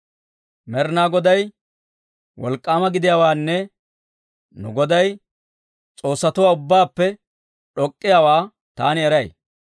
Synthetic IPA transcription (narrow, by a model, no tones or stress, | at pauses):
mɛɾnaːɡɔd̪ɐj | wɔ̰lkʼːaːmɐɡɪd̪ɪjaːwaːnːɛ | nʊ̰ɡɔd̪ɐj | t͡sʼo̞ːsːɐt̪ʊwaːʊbːaːpːɛ | ᶑɔkʼːɪjaːwaː | t̪aːnɪɛɾɐj